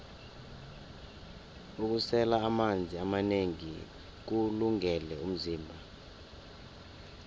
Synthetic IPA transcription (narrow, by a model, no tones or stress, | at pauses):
uk̬usɛlaːmand͡zʱiamaneŋi | k̬uluŋɛlɛum̩ziːmbʱa